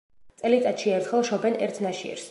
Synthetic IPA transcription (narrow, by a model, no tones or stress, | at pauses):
t̪sʼɛlit̪ʼat̪ʃiɛɾt̪ʰχɛlˠʃɔbɛnɛ̰ɾt̪ʰnaʃiɛ̰ɾs